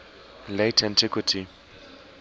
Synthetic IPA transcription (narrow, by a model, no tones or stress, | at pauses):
letʰɛ̃ntʰɪkʰwitʰi